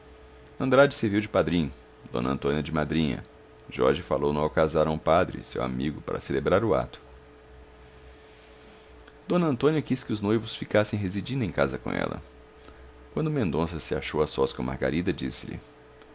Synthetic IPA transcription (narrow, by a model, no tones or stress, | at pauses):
ɐ̃nd̪ɾad͡ʒɪseɾviwd͡ʒɪpad̪ɾĩɲʊ | d̪õ̰nɐɐ̰̃t̪õniɐd͡ʒɪmad̪ɾĩɲɐ̰ | ʒɔ̰ɾʒɪfalownɐ̃awkazaɾɐ̃w̃ʊpad̪ɾɪ̰sḛwa̰miɡʊpaɾɐ̰selebɾaɾʊa̰t̪ʊ̥ | d̪̥õnɐɐ̃nt̪õniɐkiskɪʊznojvʊsfikasẽj̃ɦezid͡ʒĩnd̪ʊẽkazɐkõ̰ʔɛ̰lɐ̰ | kwɐ̃nd̪ʊmẽnd̪õsɐsɪa̰ʃowasɔskõma̰ɾɡa̰ɾid̪ɐd͡ʒisɪlɪ̰